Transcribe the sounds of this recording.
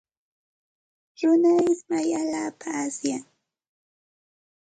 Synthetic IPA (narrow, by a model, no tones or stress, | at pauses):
ɾʊnaɪsmajalaːpaːsjaŋ